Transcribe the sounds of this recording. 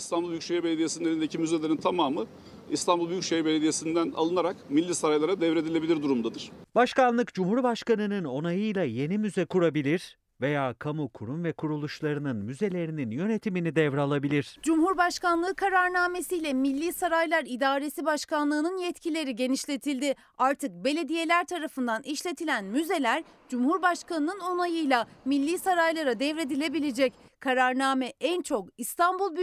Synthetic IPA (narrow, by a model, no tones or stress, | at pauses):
ist̪ʰanbulˠbyjycʃejɾbelʲed̪ijesinelʲind̪ecʰimyzelʲe̞ɾint̪ʰamaːmɯ | ist̪ʰanbulˠbyjycʃejɾbelʲed̪ijesind̪æna̰lˠɯnaɾakmilʲːiːsaɾajlˠaɾad̪ɛvɾe̞d̪ilʲe̞bilʲiɾd̪uɾumd̪ad̪ɯɾ̥baʃkanlˠɯkd͡ʒumhuɾbaʃkanɯnɯno̞najɯjlˠaje̞nimyzɛkʰuɾabilʲiɾ̥ | ve̞jaːkʰamukʰuɾumvɛkʰuɾulˠuʃlˠaɾɯnɯnmyze̞lʲe̞ɾininjø̞ne̞t̪ʰiminid̪ɛvɾalˠabilʲiɾ̥d͡ʒumhuɾbaʃkanlˠɯːkʰaɾaɾnaːme̞sijlʲɛmilʲːiːsaɾajlˠaɾid̪aːɾe̞sibaʃkanlˠɯːnɯnjɛt̪cʰilʲe̞ɾiɟe̞niʃlʲe̞t̪ʰilʲd̪ɪ | aɾt̪ʰɯk̚be̞lʲe̞d̪ije̞lʲæɾt̪ʰaɾafɯnd̪aniʃlʲe̞t̪ʰilʲænmyze̞lʲæɾd͡ʒumhuɾbaʃkanɯnɯno̞najɯjlʲˠamilʲːiːsaɾajlˠaɾad̪ɛvɾe̞d̪ilʲe̞bilʲed͡ʒɛc | kʰaɾaɾnaːmɛʔænt͡ʃʰo̞kist̪ʰanbulˠb